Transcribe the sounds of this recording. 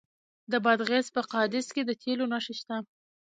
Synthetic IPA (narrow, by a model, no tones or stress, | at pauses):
d̪əbad̪ɣezpəqɑd̪ɪsked̪ət̪ʰelonaʃeʃt̪a